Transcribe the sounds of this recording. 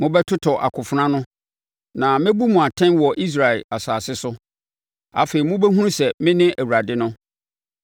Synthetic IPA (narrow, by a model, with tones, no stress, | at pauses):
mʊ̃˦bɛ˦tʰʊ˦tʰɔ˨ʔa̰˨kʰʊ˨fʊ˨nã˦nʊ̃˦ | nã˨mɪ̃˦bu˦mʊ̃˨a˨tʰɛ̃˦nwɔ˨ʔi˦s̬ɾa˨ɛ˨a˨saː˨sɪ˦sʊ˦ | a̰˨feː˨i˨mʊ̃˦bɛ˦ɦũ˦ɾũ˦sɛ˨mɪ̃˦nɪ̃˦ʔæ˨wu˨ɾa˨dɪ˦nʊ̃˦